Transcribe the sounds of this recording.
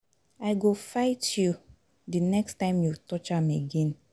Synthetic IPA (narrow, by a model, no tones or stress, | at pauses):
aɪɡofaɪtʰju | dɨnɛkstãɪ̃mjutɔt͡ʃãmeɡɛ̃n